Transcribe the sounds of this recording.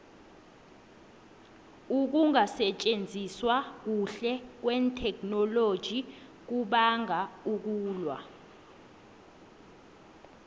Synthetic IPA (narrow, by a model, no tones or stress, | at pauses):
uk̬uŋasɛt͡ʃʼend͡zʱiswak̬uɬɛk̬wɛntʰɛkʰnɔlod̥ʒ̥ʱi | k̬uɓaŋauk̬uːlwa̰